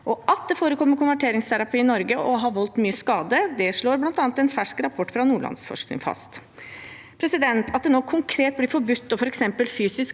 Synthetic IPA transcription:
ʔɔʔɑt̪̚d̪ɛfoːɾəkʰɔmːəɾkʊnʋæʈʰeːɾɪŋst̪ʰæɾɑpʰyːɪnɔɾɡəʔɔɦɑɾʋɔlt̪myːəskɑːd̪əd̪ɛʂɭoːɾblɑnt̪ɑːnət̪ɛnfæʂkɾɑpʰɔʈːfɾɑnuːɭɑ̰nsfɔ̰ʂknɪ̰ŋfɑ̰st̪ | pʰɾɛsɪd̪ɛnt̪ʰɑt̪̚d̪ɛnoːkʰʊŋkʰɾeːt̪̚blɪɾfɔɾbʉt̪ːɔfɔɾɛksɛmpəlfyːsɪsk

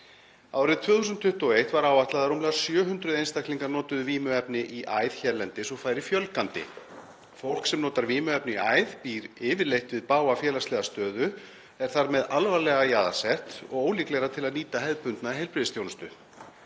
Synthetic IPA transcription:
a̰ːwɾɪðt̪ʰv̥ʏːθusʏnt̪ʰːʏht̪ɔejht̪vaɾaːwvaht̪laðaɾumlɛɣaɾ̥sjœːɦʏnt̪ɾʏðejnst̪ak̪liŋkaɾnɔːt̪ʏðʏviːmʏɛpnɪʔiʔajðçɛɾlɛnt̪ɪsɔɣfaːjɾɪfjœlkant̪ɪ̰ | fowl̥ksɛmnɔːt̪aɾviːmʏɛpnɪiaːjðpiːɾɪːvɪɾlejht̪vɪðpaːwafjɛːlast̪lɛːɣast̪œːðʏ | ɛɾ̥θaɾmɛðalvalɛɣajaːða̰̥sɛht̪ɔ̰ɣoːwliklɛɾat̪ʰɪlaðniːt̪ahɛðpʏnt̪naiɦejlpɾɪðɪst̪jownʏst̪ʏ

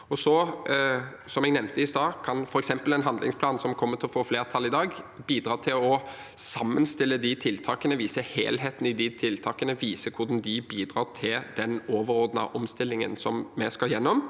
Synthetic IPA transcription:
ɔsɔ | sɔmɛɡnɛʋnt̪ʰəɪsd̪ɑːkʰɑnfɔɾɛksɛmpəlɛnɦɑnd̪lɪ̰ŋspʰlɑːnsɔmkʰɔmːət̪ʰɪlɔfoːfleːʁt̪ʰɑlːɪd̪ɑːɡ | biːd̪ɾɑːt̪ʰɪlɔ | sɑmːənst̪ɪlːəd̪ɪt̪ʰɪlt̪ʰɑːkənəʋiːsəhḛːlɦeːt̪n̩ɪd̪ɪt̪ʰɪlt̪ʰɑːkənəʋiːsəkʰʊd̪ɑnd̪ɪbiːd̪ɾɑːt̪ʰɪld̪̥ɛnoːʋəɾɔd̪nɑ̰ʔɔmst̪ɪlːɪŋə̰nsɔmmɛskɑjɛnːɔm

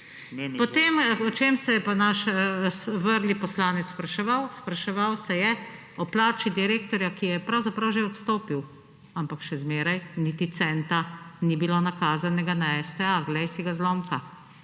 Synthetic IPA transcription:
pɔt̪eːmɔt͡ʃeːmsɛjɛpanaʃsʋəɾlipɔslaːnɛt̪sspɾaʃɛʋawspɾaʃɛʋawsɛjɛ | ɔplaːt͡ʃid̪iɾeːkt̪ɔɾjakijɛpɾawzapɾawʒeɔt̪st̪oːpiw | ampakʃɛzmeːɾajnit̪it̪sɛnt̪anibilonakaːzanɛɡanaɛst̪ɛaɡlɛjsiɡazlɔːmka

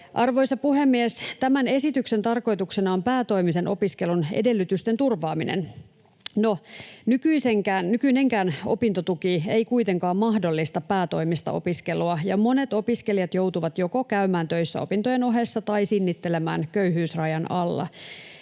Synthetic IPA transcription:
ʔɑrʋo̞isɑpuɦe̞mːiest̪æmæne̞sit̪ykse̞nt̪ɑrko̞jt̪uksenɑompæːt̪o̞imise̞nʔopiske̞lunḛde̞lːyt̪yst̪e̞nt̪urʋɑːminḛn | nonykyiseŋkæːnnykyneŋkæːno̞̰pint̪ot̪ukie̞ikuit̪e̞ŋkɑːmmɑhdo̞lːist̪ɑpæːt̪o̞imist̪ɑ̰ʔo̞̰piske̞luɑjɑmo̞ne̞t̪o̞piske̞lijɑt̪jo̞wt̪uʋɑt̪jo̞ko̞kæymæːnt̪øisːæ̰o̞̰pint̪ojeno̞ɦe̞sːɑt̪ɑisinːit̪ːe̞lemæ̰ːnkøyɦyːsrɑjɑnɑlːɑ̰

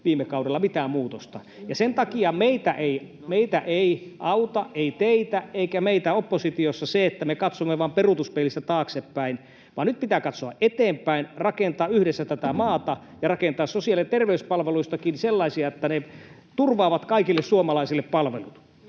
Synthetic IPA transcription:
ʋiːmekɑudelːɑmit̪æːmmuːt̪ost̪ɑ̰ | jɑsent̪ɑkiɑmeit̪æʔei | meit̪æʔeiʔɑut̪ɑʔʔeit̪eit̪æʔʔeikæmeit̪æopːosit̪iosːɑseet̪ːæmekɑt̪somːeʋɑːmperut̪uspelist̪æt̪ɑːksepːæin | ʋɑːnyt̪̚pit̪æːkɑt̪soɑ̰ʔʔet̪eːmpæinrɑkent̪ɑːyhdesːæt̪æt̪æmɑːt̪ɑ | jɑrɑkent̪ɑːssosiɑlet̪erʋeyspɑlʋeluist̪ɑkinselːɑisiɑet̪ːæne | t̪urʋɑːʋɑt̪kɑikilːessuomɑlɑisilːeppɑlʋḛlṵt̪

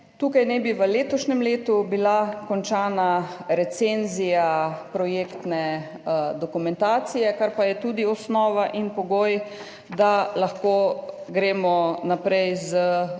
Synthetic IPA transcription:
t̪uːkajnɛbiʋəleːt̪ɔʃnɛmleːt̪ubilakɔnt͡ʃaːnaɾɛt̪senzijapɾɔjeːkt̪nɛ | d̪ɔkumɛnt̪aːt̪sijɛkaɾpajɛt̪uːd̪iɔsnɔːʋaʔinpɔɡoːj | d̪alaxkoː | ɡɾeːmɔnapɾɛjzə

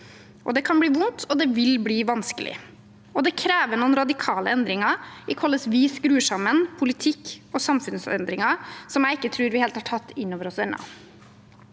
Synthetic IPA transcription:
ʔɔ̰d̪ɛkʰɑnbliːʋʊnt̪ʰɔd̪ɛʋɪlbliːʋɑnskəlʔɪ̰ | ɔd̪ɛkʰɾeːʋənuːənɾɑd̪ɪkʰɑːləɛnd̪ɾɪŋɑɪkʰɔlːəsʋiːskɾʉːʂɑmənpʰʊlɪt̪ʰɪkːɔsɑmfʉnsɛ̰nd̪ɾɪŋɑsɔmjæɪɪkːət̪ʰɾʉːɾʋɪheːlt̪hɑʈʰɑt̪ːɪnːoːʋəɾɔsɛnɑ̰

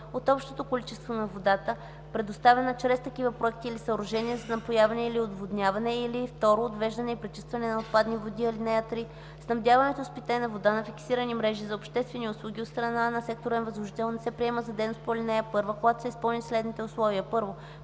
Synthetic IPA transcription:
ot̪ɔpʃt̪ot̪okolit͡ʃɛst̪vonɐvod̪at̪ə | pɾɛd̪ost̪avɛnət͡ʃɾɛst̪ɐk̟ivəpɾoɛk̚t̪iːlisɐɾoʒɛniəzɐnɐpojavɐnɛiliod̪vod̪nʲjavɐnɛilift̪ɔɾoːd̪vɛʒd̪ɐnɛipɾit͡ʃi̥st̪vɐnɛnɐot̪̚pad̪nivod̪iilinɛjat̪ɾi | snɐmd̪ʲjavɐnɛt̪ospit̪ɛnɐvod̪anɐfiksiɾənimɾɛʒizɐopʃt̪ɛst̪vɛnʲiʊt̪slˠuɡʲiot̪st̪ɾɐnanɐsɛk̚t̪oɾɛnvɐzlˠoʒit̪ɛlˠnɛsɛpɾiɛməzɐd̪ɛnost̪̚poɾlʲinɛjəpɤɾvəkoɡat̪o̥sɛispɤlˠnislɛd̪nit̪ɛʊslˠɔviəpɤɾvo

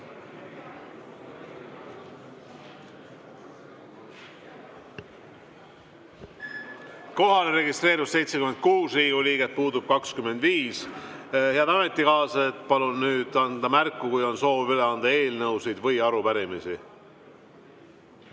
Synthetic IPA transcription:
ko̞ɦɑleɾe̞ɡist̪re̞ːɾusse̞jt̪sekyme̞nd̪̚kuːsriːɡ̥uliːɡet̪̚puːd̪ub̥̚kɑkskyme̞nd̪viːs | he̞ɑd̪ɑme̞t̪ːˑikɑːsɑet̪ːˑpɑlunːyːd̪̥ɑnd̪̥ɑmærkːukujo̞nso̞ːvyleɑnd̪̥ɑe̞ːlnɤwsijd̪̥vɤjɑɾupæɾimisi

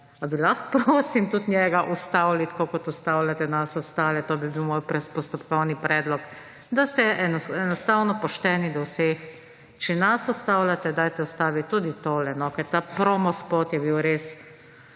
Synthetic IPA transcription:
abilaxpɾoːsimt̪ut̪nʲjɛɡaʔust̪awlit̪koːkɔt̪ɔst̪awlʲat̪ɛnasɔst̪aːlɛt̪oːbibiwmoːjpɾɛspɔst̪ɔpkɔwnipɾʔɛːd̪lɔk | d̪ast̪ɛʔɛnɛnɔst̪awnɔpɔʃt̪ɛːnid̪ɔwseːx | t͡ʃɛnasɔst̪aːwlʲat̪ɛd̪aːjt̪ɛɔst̪aːʋit̪ːud̪it̪oːlɛnɔkɛɾt̪apɾomɔspot̪jɛbiwɾes

